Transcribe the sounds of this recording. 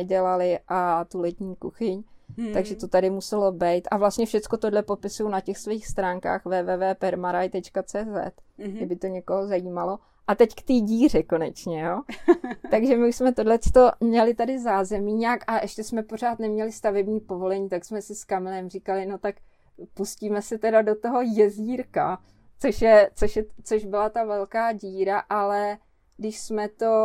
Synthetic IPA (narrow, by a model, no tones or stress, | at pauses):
ɛɟɛlalɪʔat̪ulɛt̪ɲiːkuxɪɲt̪aɡʒɛt̪o̞t̪adɪmusɛlo̞bɛjt̪ʔavlast̪ɲɛfʃɛt͡sko̞t̪odlɛpo̞pɪsujonacɛxsvoiːxst̪ɾaːŋka̰ːxvɛːvɛːvɛːpɛɾmaɾajt̪ɛt͡ʃkat͡sɛːzɛ̰t̪ɪbɪt̪o̞ɲɛkoɦozajiːmalo̞ | ʔat̪ɛckt̪iːɟiːr̝ɛko̞nɛt͡ʃɲɛjoːt̪aɡʒɛmɪuʃsmɛt̪o̞dlɛt͡st̪o̞mɲɛlɪt̪adɪzaːzɛmiːɲakaʔɛʃcɛsmɛpor̝aːt̪nɛmɲɛlɪst̪avɛbɲiːpo̞vo̞lɛɲiːt̪aksmɛsɪskamɛlɛmrikalɪno̞t̪ak | pusciːmɛsɛt̪ɛdado̞t̪o̞ɦo̞jɛziːɾka | t͡soʃjɛt͡so̞ʃjɛt͡soʒbɪlat̪avɛlkaːɟiːɾaʔalɛ | ɡdɪʃsmɛt̪o̞